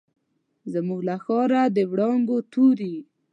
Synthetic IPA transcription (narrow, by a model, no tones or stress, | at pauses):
zamuɡlaxɑɾad̪əwɽɑŋɡot̪uɾi